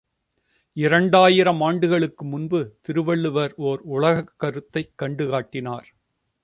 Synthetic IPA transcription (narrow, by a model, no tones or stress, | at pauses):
ɪɾɐɳɖaːjɪɾɐmaːɳɖɯɣɐɭɯkːɯmʊnbɯt̪ɪɾɯʋɐɭːɯʋɐɾoːɾʊɭɐɣɐkːɐɾɯt̪ːɐɪkːɐɳɖɯɣaːʈːɪnaːɾ